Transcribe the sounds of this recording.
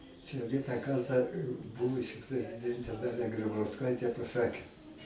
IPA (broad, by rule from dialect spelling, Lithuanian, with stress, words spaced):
t͡ʃʲɛ ˈʋʲiɛnɑː ˈkɐrtɑː ˈbʊʋʊsʲɪ pʲrʲɛzʲɪˈdʲɛnʲtʲeː ˈdɑːlʲɛ ɡrʲɪbɐʊsˈkɐɪtʲeː pɐˈsɑːkʲeː